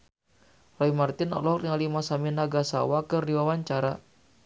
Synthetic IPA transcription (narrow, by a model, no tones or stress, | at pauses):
rɔimart̪ɪnɔ̰lɔhriŋalimasaminaɡasa̰wakɨrdiwawaɲt͡ʃaɾa